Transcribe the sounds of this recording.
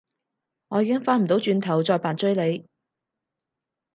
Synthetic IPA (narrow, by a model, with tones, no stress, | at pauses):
ŋɔː˨˧jiː˧kɪ˥ŋfaː˥nm̩˨˩t̪o˨˥wt͡ʃyː˧nt̪ʰɐ˨˩wt͡sɔː˧jpaː˨nt͡sɵ˥ɥle˨˧j